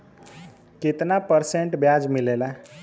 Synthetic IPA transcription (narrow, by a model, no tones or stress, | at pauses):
ket̪napəɾseɳʈbjad͡zmilela